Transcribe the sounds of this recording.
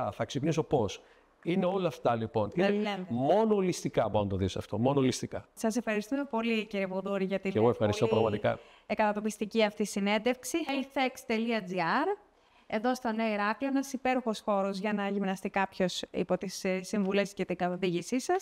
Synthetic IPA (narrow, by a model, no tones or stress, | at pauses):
θɐksipniso̞po̞s | ineo̞lɐːft̪ɐlipo̞ninlemmo̞nolist̪ikɐboonɐt̪oðisoɐ̰ft̪o̞mo̞nolist̪ikɐsɐse̞fxɐɾist̪umepo̞liciɾeboðoɾiʝɐt̪ieɣoe̞fxɐɾist̪opɾɐɣmɐt̪ikɐ̰ | kɐt̪ɐt̪o̞pist̪iciɐft̪isine̞nd̪e̞fksielθekst̪eliɐd͡ziɐɾ | e̞ðo̞st̪oneoiɾɐkloenɐsipe̞ɾuxo̞sxo̞ɾozʝɐnɐʝimnɐst̪ikɐpço̞sḭpo̞t̪issːiɱvulescet̪ikɐt̪ɐðiʝisisɐs